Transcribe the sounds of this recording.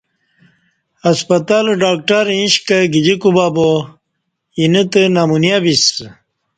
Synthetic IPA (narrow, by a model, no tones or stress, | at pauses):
ɐspɐt̪alɖaːk̚ʈaɾĩɕkɐɡid͡ʑikubaːbo | inət̪ənamunjabis